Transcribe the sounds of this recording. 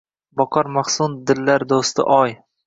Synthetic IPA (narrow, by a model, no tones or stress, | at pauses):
bɒqʰɒɾmaχsʊnd̪ɪlːaɾd̪ost̪ɪ̰ʔɒj